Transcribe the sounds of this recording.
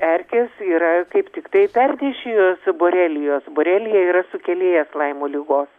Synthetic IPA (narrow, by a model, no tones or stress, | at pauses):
ɛɾʲkʲeːsiːɾɐkɐɪpt̪ʲɪkt̪ɐɪpʲɛrʲd̪ʲeːʃʲɪjoːsboːɾʲæːlʲɪjoːsboːɾʲɛːlʲɪjɛiːɾɐsʊkʲɛlʲeːjɛslˠɐɪmoːlʲɪɡoːs